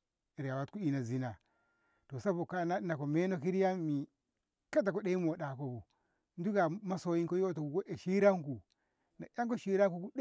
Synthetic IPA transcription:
ɾa˨wa˦tku˦i˦na˨zi˦na˨ | to˨sa˦bo˨ka˦na˦na˨ko˨me˦no˦ki˦ɾi˦ja˦mi˨ | ka˦t̬a˨ko˦ɗe˦i˦mo˨ɗa˨ko˨bu˨ | n˦du˦ɡa˨ma˦so˨ji˦ŋko˦jo˦to˨u˨ɡo˦ʔe˨ʃi˦ɾa˦ŋku˨ | na˨ja˦ŋko˦ʃi˦ɾa˦ŋku˦ku˦d

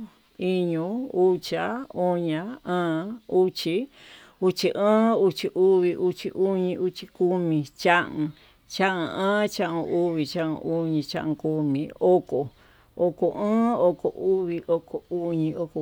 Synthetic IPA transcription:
i˦ɲũ˧˦u˦t͡ʃa˧˦o˦ɲã˧ãː˦u˦t͡ʃi˧ | u˦t͡ʃi˧ʔə̃ː˦u˧t͡ʃi˧ʔu˦βi˧ʔu˦t͡ʃi˧ʔu˦ɲĩ˧u˦t͡ʃi˧ku˦mĩ˧t͡ʃa˦ũ˧ | t͡ʃa˦ʔũ˧ãː˦t͡ʃa˦ʔũ˧u˦βi˨t͡ʃa˦ʔṵ̃˧ʔu˦ɲĩ˧t͡ʃã̰˦ʔku˧mĩ˨˧o˦ko˨ | o˧ko˨ʔə̃ː˦o˧ko˨ʔu˦βi˧ʔo˧ko˨u˦ɲĩ˧o˧ko˧

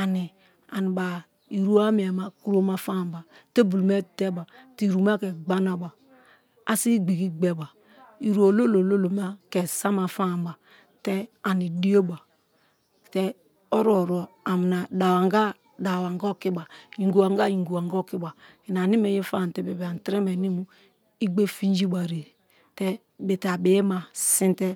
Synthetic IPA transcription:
a˨ni˨ | a̰˨ni˨ba˨ | i˨ɾu˦a˦mi˨a˨ma˨ku˦ɾo˦ma˦fa˦˨m˦ba˨te˦bu˨lme˦˨te˦ba˨ti˦˨ɾu˨ma˦kɛ˨ɡ͡ba˦na˦ba˨ | a˦si˦ɡ͡bi˨ɡi˦ɡ͡be˨ba˨ | i˨ɾu˦o˨lo˦lo˨lo˦lo˨m˦a˦ke˨sa˦ma˨fa˦˨m˨ba˨ | te˦a˨ni˨di˦o˦ba˨ | tɛ˦ | o˦ɾo˦˨ɾu˨a˨mi˨na˨da˨wa˨ŋɡa˦ | da˨wa˨ŋ˦ɡɔ˦˨ki˦ba˨i˨ŋɡu˨a˨ŋɡa˦ji˨ŋ˨ɡu˨a˨ŋɡo˦˨ki˦ba˨ | i˨n˨a˨ni˦me˨je˦fa˦˨tɛ˨be˨be˨a˨n˨tɾe˦mɛ˨ni˦mu˦ | i˦ɡ͡be˦fi˦n˦d͡ʒi˦ba˨ɾe˨ | tɛ˦ | be˨ta˨be˨je˦ma˨si˦n˦tɛ˦

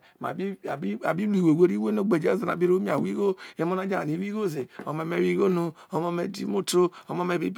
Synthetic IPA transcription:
ma̰˨bi˦˨i˦a̰˨bi˦lu˦i˨we˨we˦ɾi˦we˦no˦ɡ͡be˨d͡ʒe˦a˨na̰˨bi˦ɾo˦mi˦a˨wi˦ɡo˦e˦mo˦na˦d͡ʒa˦a˨ni˨˦wi˦ɡo˦˨ze˨o˨ma˨me˦wi˦ɡo˦no˦ | o˨˦mo˦me˨dḭ˦mo˦to˦o˨˦mo˦me˨bi˦b

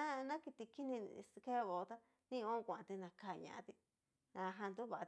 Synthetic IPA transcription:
ã˦nã˦ki˧t̪i˧ki˦nĩ˧ske˦˧βo˨˧t̪a˦ | nĩ˦˧õ˦˧kʷã˨ʔã˧t̪i˧nã˧ka˧˨ɲã̰˧ʔa̰˧t̪i˧ | nã˧ɦã˧nd̪u˦βa˨˧

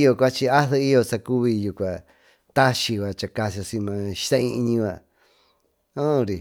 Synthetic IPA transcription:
jo˧˨kʷa˦t͡ʃi˧a˦ðe˧i˦jo˧t͡sa˧ku˦βi˧ju˧˨kʷa˨ | t̪a˦ʃi˧βa˨t͡ʃa˧ka˧si˧o˧sĩ˧mã˧ʃi̥˦t̪ã˦ĩ˧ɲĩ˧βa˧˨ | õ˦˧ɾi˨

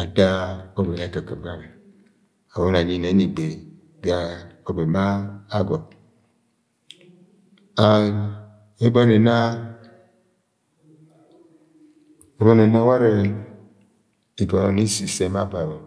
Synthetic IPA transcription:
a˨da˦o˦be˨na˨˦ka˨ka˨bɾa˦n˨ | a˨wo˦n˨a˨ɲi˦ne˨˦ni˨ɡ͡be˨ | ɡa˨o˨be˨maː˦ɡɔ˨ | a˨ | e˦bo˦ne˨na˦ | e˦bɔ˦ne˨na˦wa˦ɾe˨ | i˨ɡo˨no˨ni˦si˨se˦ma˦ba˨bo˨

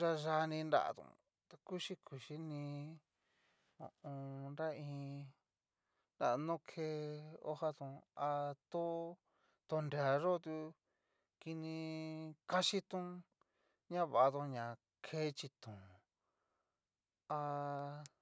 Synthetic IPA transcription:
ʒa˧ʒa˧nĩ˧nda̰˦˨a̰˧t̪ṵ̃˨ | t̪a˧ku˦ʃi˦kʰu˨ʃi˦nĩ˧ | õ̰˨ʔõ˧nɾa˦ĩ˧ | nda̰˧˨˧nõ˦kʰe˦o̰˦ha˦t̪ũ˧a˧t̪o˦ | t̪o˧nde˧˨a˨ʐo˦t̪u˧ | ki˧nĩ˧ka˦ʃi˦t̪ũ˦ | ɲã˦βa˨ʔðõ˧ɲã˨ | kʰe˦t͡ʃi˧t̪ũ˨ | a˧

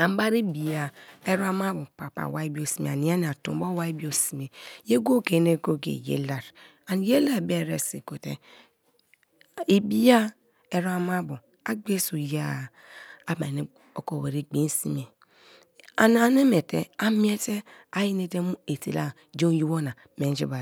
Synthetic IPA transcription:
a˨m˦ba˦ɾi˦bi˨ja˨e˦ɾa˦ma˦bu˨pa̰˨pa̰˨wa˦i˦bi˦o˦si˨mḛ˨a˨ni˨a˦n˨a˨tṵ˨˦bo˦wa˦i˦bi˦o˦si˨me˨je˦ɡo˦ke˨˦ne˦ɡo˦ɡḛ˨jḛ˦la˨ɾ | a˨n˨je˦la˦˨be˦˨ɾḛ˨sḭ˨ko˨tḛ˦ | i˨bi˦ja˦ | e˨ɾa˨ma˦bu˨ | a˦ɡ͡be˦so˨ja˦˨ | a˦ma˨ne˦ | o˨ko˨we˨ɾe˨ɡ͡bi˨˦n˦si˦me˨ | a˨n˦a˨ne˦me˨tḛ˦a˦mi˦e˦te˦a˦ji˦ne˦te˦mu˦e˨tḛ˨la̰˦ | d͡ʒo˦ju˦wo˦na˨ | me˨n˦d͡ʒḭ˦ba˨

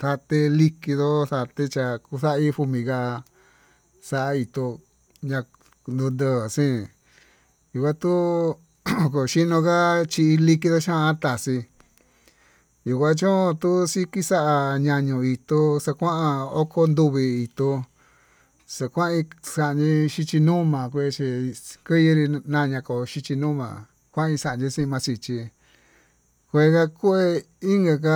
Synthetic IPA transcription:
t̪a˧t̪e˧li˦ki˧ðo˦ta˧t̪e˧t͡ʃa˧ku˧sa˦ʔi˦ɸu˧mĩ˧˨ka˧ | sa˧ʔa˧i˧t̪o˧ | ɲã˧ | nd̪ũ˧nd̪ə˧˨sĩ˦ | ju˨kʷã˦t̪u˦ | ko˨ʃi˦nõ˧ka˦t͡ʃi˧i˧li˦ki˧ðo˦ʃã˦˧a˦t̪a˨si˧ | ju˨kʷã˦t͡ʃõ˦˧t̪u˦si˦ki˦sa˦ʔa˧ɲã˧ɲũ˧˨i˧t̪o˧sa˧kʷã˦ʔa˧o˦kʰo˧nd̪u˧βi˧i˨t̪o˧ | sa˧kʷã˦ĩ˧sa˧ʔnd͡ʒĩ˧ʃi˧t͡ʃi˧nũː˦mã˨kʷe˧t͡ʃi˧kɨ˦ji˧ɾi˧nã˧ɲã˧ko˨ʃi˧t͡ʃi˧nũː˦mã̰˨ | kʷã˦ĩ˧sa˧˨a˨nd͡ʒĩ˧sĩ˦˧mã˧si˧t͡ʃi˧ | kʷe˧ka˧ku˦e˧ | i˦ŋɡa˧ka˦

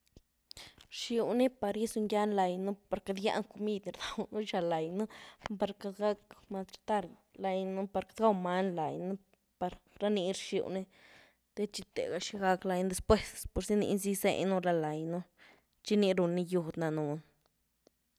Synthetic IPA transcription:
ɾʃi˧wni˦pa˧ɾji˦su˧ŋɡa˦nla˧jnu˦pa˨ɾka˧d̪ja̰˦ŋko˧mi˦d̪ni˧ɾd̪a˨wnu˦ʃa˧la˨jnu˦ba˧ɾka˧d̪ɡa˦kma˧t̪ɾi̥˧t̪a˦ɾla˧jnu˦pa˧ɾkḁ˨d̪ɡa˦wma˦nla˨jnu˦ | pa˧ɾɾa˦ni˧ɾʃḭ˧wni˦ | d̪̥e˦t͡ʃi˧t̪ḛ˨ɡa˧ʃi˧ɡa˧kla˧jn˦d̪e˧spwe˦spo˨ɾsi˦nḭ˧ʔnzi˦sḛ˧nu˦˧la˧la˨jnu˦ | t͡ʃi˦ni˧ɾu˨˧nːi˧ju˧˨d̪na˨nu˨n

